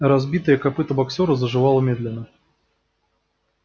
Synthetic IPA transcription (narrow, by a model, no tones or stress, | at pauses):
ɾazbʲit̪əjəkapɨt̪əbaksʲoɾəzəʐɨvalˠəmʲed̪lʲɪnːə